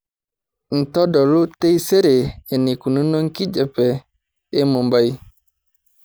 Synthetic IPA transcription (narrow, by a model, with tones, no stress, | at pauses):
n̩˨tɔ˦dɔ˨ɾu˦te˦jse˦ɾe˨e˨ni˨ku˨nu˦nɔ˦ŋ̩˦ki˦d͡ʒɛ˨pɛ˨ | e˦mɔ˨mba˦j